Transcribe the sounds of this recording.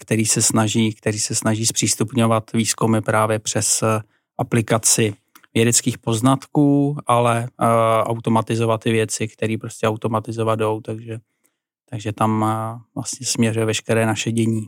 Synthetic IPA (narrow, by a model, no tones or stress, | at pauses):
kt̪ɛɾiːsɛsnaʒiːkt̪ɛɾiːsɛsnaʒiːspr̥iːst̪upɲo̞vat̪viːskumɪpɾaːvjɛpr̝̥ɛs | ʔaplɪkat͡sɪ | vjɛdɛt͡skiːxpo̞znat̪kuːalɛʔawt̪o̞mat̪ɪzo̞vat̪ːɪvjɛt͡sɪkt̪ɛɾiːpɾo̞scɛawt̪o̞mat̪ɪzovado̞wt̪aɡʒɛ | t̪aɡʒɛt̪amvla̰st̪ɲɛsmɲɛrujɛvɛʃkɛɾɛːnaʃɛɟɛɲiː